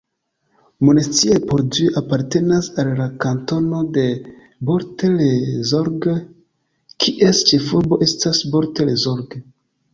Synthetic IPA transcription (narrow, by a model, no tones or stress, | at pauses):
monest͡siepoɾd͡ʒiapaɾte̞nasalːakanto̞no̞de̞ | bo̞ɾtelezo̞ɾɡe | kʰiʔest͡ʃe̞fuɾbo̞ʔe̞stasbo̞ɾtelezoɾɡe